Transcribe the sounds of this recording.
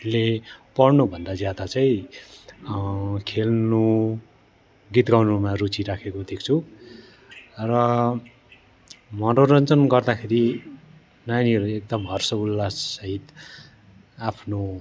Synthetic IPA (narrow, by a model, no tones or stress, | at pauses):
lepʌrnubʱʌnd̪ad͡zjad̪at͡saĩ | kʰelnu | ɡit̪ɡawnumarut͡siɾakʰekod̪ek̚ʰt͡sʰu | rʌ | mʌnoɾʌnt͡sʌnɡʌrd̪akʰeɾi | najniʌɾuek̚d̪ʌmɦʌrsʌulːasʌɦit̪ | apʰno